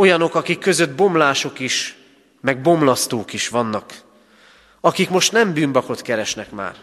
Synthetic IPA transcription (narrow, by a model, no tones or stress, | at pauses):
o̞jɒno̞kɒkikːø̞zø̞d̪̚bo̞mlaːʃo̞kiʃ | mɛɡ̚bo̞mlɒst̪oːkiʃʋɒnːɒk | ɒkikmo̞ʃt̪nɛmbyːmbɒko̞t̪kɛɾɛʃnɛkma̰ːr